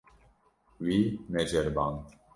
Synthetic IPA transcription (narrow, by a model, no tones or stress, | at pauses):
winɛd͡ʒɛɾban